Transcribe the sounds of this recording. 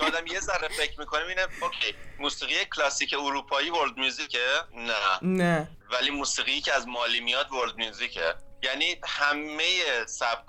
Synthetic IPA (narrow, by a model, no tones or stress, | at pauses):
t͡ʃʰːd̪æmje̞zæɾefe̞cʰɾmikʰo̞nimiːneocʰejmuːsiːɣijecʰlɒːsice̞uɾuːpʰɒːjiːvoɾd̪̚mjuːzicʰenænæ | væliːmuːsiːɣijicʰeæzmɒːlimijɒːd̪voɾd̪̚mjuzicʰḛjæniːhæmːejesæb̚k